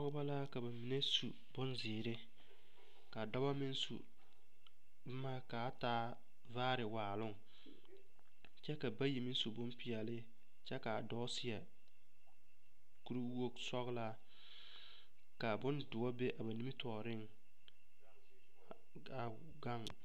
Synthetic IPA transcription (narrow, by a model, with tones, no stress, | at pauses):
ɔ˦ɣba˦la˦ka˨ba˨mi˨ne˦sṵ˨ | bʊ˦nzɪː˨ɾɪ˦ | ka˨da˦wa˦mɪ˦n˦sṵ˨ | bʊ˦maː˦ka˨˦taː˦ | vaː˦ɾɪ˨waː˨lʊ˦ŋ | t͡ʃɛ˦ka˨ba˦ji˨mɪ˦n˦su˨bʊ˦npɪ˨ɛ˨lɪ˦ | t͡ʃɛ˦ka˨dɔ˦sɪ˨˦a˨ | ku˦ɾi˦o˦ksɔ˦ɣla˦ | ka˨bʊ˦ndʊ˨wɔ˦be˦ʔa˨ba˨ni˦i˦tɔː˨ɾɪ˦ŋ | a˨ɡa˦˨ŋ